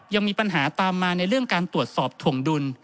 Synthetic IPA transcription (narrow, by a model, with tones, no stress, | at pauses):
ja˧ŋmiː˧pa˧nɦaː˩˦t̪aː˧mːaː˧na˧jɾɯ˥˩əŋkaː˧nt̪ɾu˨˩ət̪̚sɔː˨˩p̚t̪ʰu˨˩əŋdu˧n